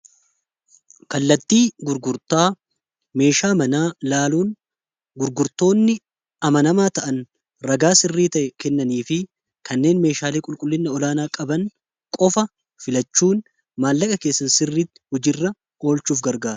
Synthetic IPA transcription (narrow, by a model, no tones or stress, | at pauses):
kɐlːɐt̪ːiːɡʊɾɡʊɾt̪aː | me̞ːʃaːmɐnaːlaːluːn | ɡʊɾɡʊɾt̪o̞ːnːɪ | ɐmɐnɐmaːt̪ɐʔɐn | ɾɐɡaːsɪrːiːt̪ɐʔɛkɛnːɐniːfɪ | kɐnːe̞ːnme̞ːʃaːleːkʼʊlkʼʊlːɪnːɐɔlaːnaːkʼɐbɐn | kʼɔfɐ | fɪlɐt͡ʃːuːn | maːlːɐkʼɐke̞ːsːɐnsɪrːiːt̪ːɪ̥hʊd͡ʒɪrːɐ | o̞ːlt͡ʃuːfɡɐɾɡaːɾɐ̥